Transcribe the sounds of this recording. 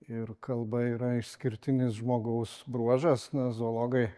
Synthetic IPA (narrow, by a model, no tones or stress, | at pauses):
ɪɾkɐlˠbɐiːɾɐɪʃsʲkʲɪɾʲt̪ʲɪnʲɪsʒmoːɡɐʊsbɾuɔʒɐsnɐzoːlˠoːɡɐɪ